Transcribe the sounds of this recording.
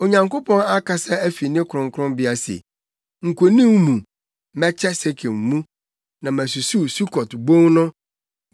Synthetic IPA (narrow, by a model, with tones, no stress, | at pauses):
o˨ɲã˨ŋko˦pʰɔ̃˦na˦kʰa˨sa˦æ˦fi˨nɪ̃˦kʰʊ˨ɾʊ̃˨ŋ˦kʰʊ˦ɾʊ̃˦mbɪ˦a˨sḛ˨ | ŋ̩˨kʰʷo˨nĩ˦m˦mũ˨ | mɛ̃˦t͡ɕʰɛ˦se˦kʰe˨m̩˨mũ˦ | nã˨mæ̃˨s̬u˨su˦su˦kʰɔ˨tbõ˦ŋnʊ̃˦